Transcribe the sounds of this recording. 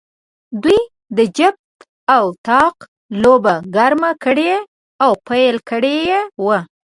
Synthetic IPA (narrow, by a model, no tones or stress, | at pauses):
d̪wuj | d̪əd͡ʒab̚t̪ | awt̪ɑq | lobaɡaɾmakəɽee | awpajlkəɽejewə